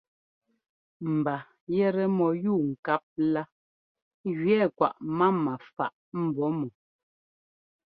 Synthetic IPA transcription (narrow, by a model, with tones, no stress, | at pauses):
m̩˨ba˨ | jɛ˦˨ɾɛ˦mɔ˨juː˦˨ŋ̩˨ka˦p̚la˦ | ɣɥɛ˦˨kwa̰˨ʔma˦ma˨fa̰˨ʔm̩˨bɔ˨˦mu˨